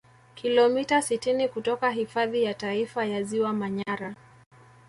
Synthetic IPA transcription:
kʰilɔmitasitinikutɔkaɦifaðijataifajaziwamaɲaɾa

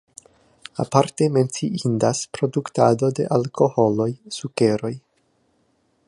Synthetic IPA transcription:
a̰paɾte̞me̞nt͡siʔindaspɾo̞dukta̰do̞de̞̰ʔalkʰo̞ho̞lo̞jsuke̞ɾo̞j

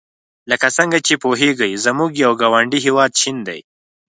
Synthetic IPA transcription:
ləkasəŋɡat͡ʃepoɦeɡəjzamuɡjawɡawaɳɖiɦewɑd̪̚ʃind̪a̰j

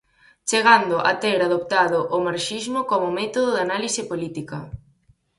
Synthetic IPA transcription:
t͡ʃeɣand̪ʊʔat̪eɾaðopt̪aðʊʔːmaɾʃizmʊkomʊmɛt̪oðʊðanalisɪpolit̪ikɐ

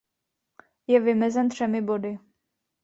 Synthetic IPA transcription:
jɛvɪmɛzɛnt̪r̝̥ɛmɪbodɪ

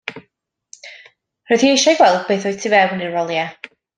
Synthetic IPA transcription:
rɔjðiejʃaɡwɛlˠdbeːθɔjtʰivɛwnirɔlˠja

